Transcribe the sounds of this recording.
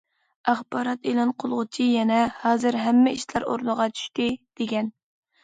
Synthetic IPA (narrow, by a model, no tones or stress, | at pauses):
æχbɑːɾɑt̪elˠɑnqʰolˠʁʊt͡ʃʰijɛnɛhɑːzɨɾɦɛmːɪiʃlæɾo̰ɾnəʁɑt͡ʃʰy̥ʃt̪ɪd̪̥eɡʲɛn